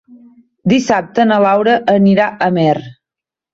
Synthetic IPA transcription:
d̪isap̚t̪ənəlawɾəʔəniɾaʔəmɛr

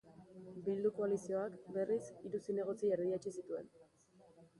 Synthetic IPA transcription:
bild̪uko̞alisio̞akbe̞risiɾusine̞ɣ̞o̞t͡sieɾðiat͡ʃisit̪ue̞̰n

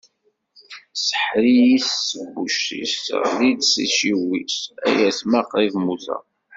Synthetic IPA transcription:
sə̥ħɾijisːəbːuʃːḭslid̪sḭʃiwisæ̰jæsmaqivmuθæ̰

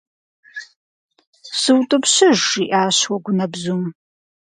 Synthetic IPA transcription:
sɨwtʼɨpɕɨʒːiʔaːɕwɐɡʷʊnɐbzum

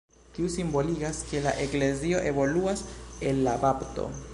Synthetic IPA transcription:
kiusimbo̞liɡaske̞laʔe̞kle̞zio̞ʔe̞βo̞luase̞nlabapto̞̰

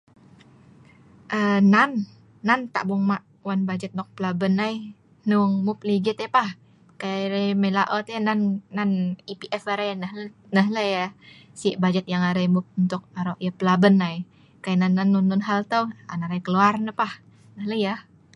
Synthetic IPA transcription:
ʔənanː | ant̪a̰ʔbʊŋmaʔ | wanbad͡ʒət̪̚nɔk̚pəlabənaj | nuŋmʊp̚liɡɪt̪apah | kajɾajməlaʔɔt̪ananːanipiʔɛfəɾajnəh | nəɦləja | siʔbad͡ʒət̪̚jaŋaɾajmup̚unt̪ʊk̚aɾoʔjəpəlabənaj | kajananːanːunːʊnɦalt̪əwanaɾajkəluarnəpah | nəhləjah

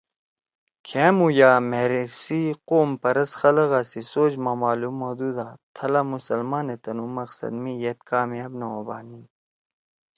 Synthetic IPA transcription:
kʰeːmujaːmeɾisiqoːmpɐɾɐsxɐlɐɣasisoːd͡ʑmamaːlumːod̪uːd̪at̪ʰɐlɐmusɐlmaːnet̪ɐnumɐqsɐ̰d̪mijet̪kaːmijaːbnɐwɐba̰ːnin

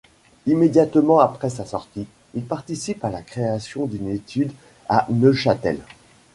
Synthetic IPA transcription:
imed̪jat̪mɑ̃apχɛsasɔʁt̪i | ilpaʁt̪isipalakχeasjɔ̃d̪ynet̪ʰyd̪ | a̰nəʃat̪ɛ̰l

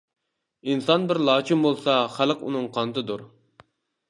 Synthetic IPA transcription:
insɑnbɪɾlˠɑːt͡ʃʰimbolˠsɑχæləqṵnɨŋqʰɑnt̪ɨd̪uɾ

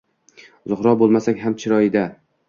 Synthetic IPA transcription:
zʊχɾɒbolˠmasakʲɦamt͡ʃʰɪɾɒɪd̪a

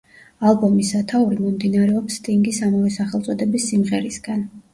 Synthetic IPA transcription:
alˠbɔmisat̪ʰauɾimɔmd̪inaɾɛɔpst̪ʼiŋɡisamavɛsaχɛlt̪sʼɔd̪ɛbisːimʁɛɾisɡ̥an

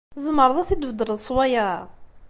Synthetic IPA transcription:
θəzməɾˤðˤæθid̪əvəd̪əɾəðˤsˤwaja

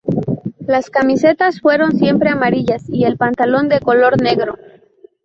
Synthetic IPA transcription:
laskamise̞t̪asfwe̞ɾo̞nsje̞mpɾe̞amaɾiʝasie̞lpant̪alo̞nd̪e̞ko̞lo̞ɾne̞ɣɾo̞

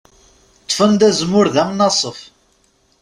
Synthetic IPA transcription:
t̪ˤːfənd̪æzmʊɾðæmnɑsˤəf

